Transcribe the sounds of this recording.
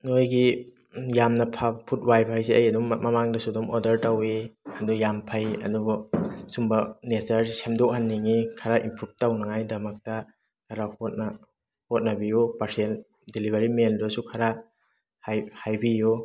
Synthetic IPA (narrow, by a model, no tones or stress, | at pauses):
nojɡi | jamnɐpʰapʰut̚wajpʰajsiʔɐjɐdummɐmaŋdɐsudumɔdɐɾtawiɐdujampʰajɐ̰dubɔsumbɐnesaɾsemdɔʔ̚hanːiŋikʰaɾaʔimpʰut̚tawnɐŋajdɐmɐk̚tɐ | kʰaɾahot̚na | hot̚nɐbijupaɾsiel | dilibʱaɾimeldusukʰaɾa | hhajbiju